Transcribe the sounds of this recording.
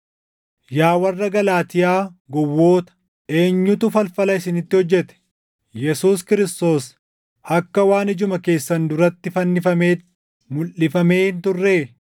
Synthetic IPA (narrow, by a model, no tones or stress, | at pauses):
jaːwɐrːɐɡɐlaːt̪ɪjaːɡɔwːo̞ːt̪ɐ̥ | e̞ːɲːʊt̪ʊfɐlfɐlɐɪsɪnɪt̪ːɪhɔd͡ʒːɛt̪ɛ̥ | jɛsuːskɪɾɪst̪o̞ːs | ɐkːɐwaːnɪd͡ʒʊmɐke̞ːsːɐnd̪ʊɾɐt̪ːɪfɐnːɪfɐmeː | mʊlɪfɐme̞ːhnt̪ʊrːeː